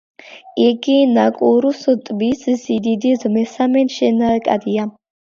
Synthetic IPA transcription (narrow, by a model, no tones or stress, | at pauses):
iɡinakʼuɾusɔt̪ʼbiszid̪id̪izmɛsamɛnʃɛnakʼa̰d̪ia